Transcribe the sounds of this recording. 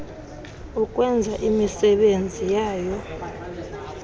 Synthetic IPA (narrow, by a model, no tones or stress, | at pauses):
ukʼwɛnd͡zʱaʔimisɛɓend͡zʱijaːjɔ